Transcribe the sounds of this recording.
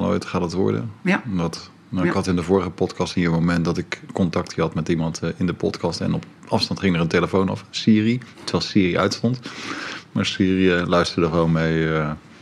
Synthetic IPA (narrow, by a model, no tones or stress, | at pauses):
lo̰jtχaːdətʋɔ̰ɹdə̰dɑt | nawɪɪkɦɑtɪndəvʊːɹəχəpɔtkɑstənjəmomɛntdɑtɪkːɔntɑk̚tiɦɑtmɛtimɑntɪndəpɔ̰tkɑstɛ̰nɔp | ɑfstɑntχɪŋəɹənteləfownɑ̰fsɪːritəʋɛlˠsɪːriʔœ̰ɥtstɔnt | maːɹsiːriəlœɥstəɹdəχəʋownmejə